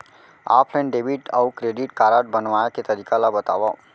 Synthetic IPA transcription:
a̰pʰlɛ̃ɳɖebʱiʈawkɾeɖiʈkaɾaʈ̚bənʋajaket̪əɾikalabət̪a̰ʋa

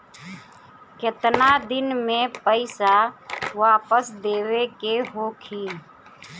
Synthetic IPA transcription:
kɪt̪nad̪ɪnmẽpəɪsaʋaːpəsd̪eːwekeɦoːkʰiː

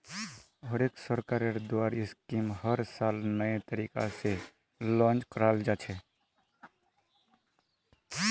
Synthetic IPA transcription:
ɦəɾeːksəɾkaːɾeɾd̪waːɾɪskimɦəɾsaːlnəet̪əɾiːka̰se | lɔ̃ːnt͡ʃkɾald͡ʒaːt͡ʃʰɛ

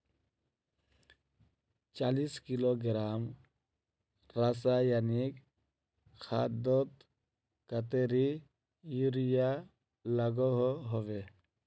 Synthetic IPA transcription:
t͡ʃaliskiloɡɾam | ɾas̬ajanik | kʰa̰d̪ɔt̪ | kat̪eɾi | juɾija | laɡɔɦɦɔʋe

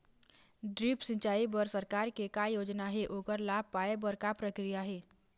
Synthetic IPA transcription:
ɖɾipsə̃t͡ʃaːibəɾsəɾkaːɾkekajoːd͡ʒnaɦɛʔoːkəɾlaːb̚ʱpaːebəɾkapɾəkɾijaɦɛː

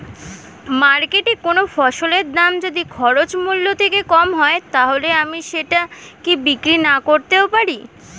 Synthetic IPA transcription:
maɾkeʈikonofɔʃoleɾd̪amd͡ʑod̪ikʰɔɾot͡ɕmulːot̪ʰekekɔmɦɔet̪aɦoleamiʃeʈakibikɾinakoɾt̪eopaɾi

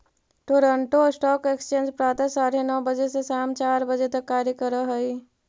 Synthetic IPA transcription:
ʈoːɾəɳʈosʈɔːkekst͡ʃẽːnd͡ʒpɾaːt̪əsaːɾenɔːbəd͡ʒesesaːmt͡ʃaːɾbəd͡ʒet̪əkːaːɾjəkəɾəɦəi

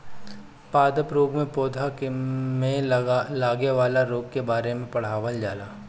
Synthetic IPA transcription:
paːd̪əpɾoːɡmẽpɔːd̪ʱakmẽlaːɡeʋaːlaɾoːɡ̚kebaːɾemẽpɐɽ̤aːʋəld͡ʒaːlaː

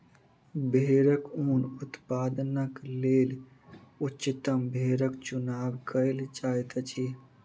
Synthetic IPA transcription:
bʱeːɾəkoːnʊt̪paːd̪nəkleːl | ʊt͡ʃɪt̪əmbʱeːɾəkt͡ʃʊnaːbkəilt͡ʃaːit̪ɐt͡ʃʰi

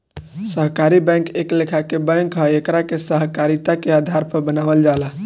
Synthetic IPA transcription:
səɦkaɾibɛ̃ŋkeklekʰakebə̃ŋkɦəekɾakesəɦkaɾit̪akead̪ʱaɾpəɾbənabəld͡ʒala

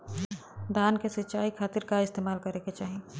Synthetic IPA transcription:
d̪ʱaːnkesɪtːt͡ʃaːikʰaːt̪ɪɾkaɪst̪eːmaːlkɐɾeket͡ʃaːɦi

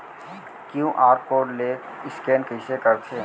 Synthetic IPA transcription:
kjũːʔaːɾkoːɖleːkɪskeːnkəisekɐɾt̪ʰeː

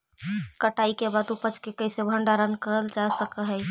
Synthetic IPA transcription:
kəʈaikebad̪upət͡ʃkekəjsebʱəɳɖaɾənkəɾəld͡ʒasəkəɦɛj

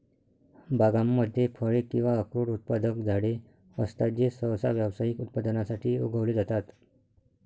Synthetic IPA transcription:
baɡamːəd̪ʱːjefʰəɾekĩw̃ʋaəkuɽut̪̚pad̪ək̚d͡zʱaɽe | əst̪ad͡ʑesəwsaʋjəʋsajikut̪̚pad̪nasaʈʰiːṵɡʱəʋled͡zat̪at̪

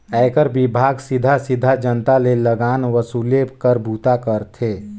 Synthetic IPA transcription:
ɛːkəɾbibʱaːɡsɪd̪ʱasɪd̪ʱad͡ʒənt̪aleləɡaːnʋəsuːlekəɾbʱuːt̪akəɾt̪ʰeː

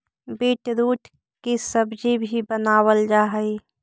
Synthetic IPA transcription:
biːʈɾuːʈʰ | kisəbd͡ʒibʱibənaːwəld͡ʒaːɦəi

